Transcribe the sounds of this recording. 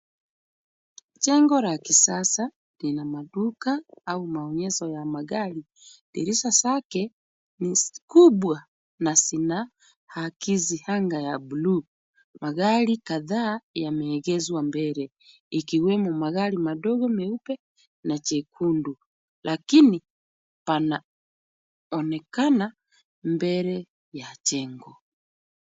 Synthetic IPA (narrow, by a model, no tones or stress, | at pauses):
t͡ʃɛŋɡɔɾakisasa | linamaɗukaaumaɔɲɛsɔjamaɣaɾi | ɗɛ̰ɾisasakɛ | niskuɓwa | nasina | hakizihaŋɡajabuluː | maɣaɾikaðaːjamɛːɣɛzwambɛɾɛ | ikiwɛmumaɣalimaɗɔɡɔmɛupɛ | nat͡ʃɛkʰundu | lʔakini | pana | ɔnɛkana | mbɛɾɛ | jat͡ʃɛŋɡɔ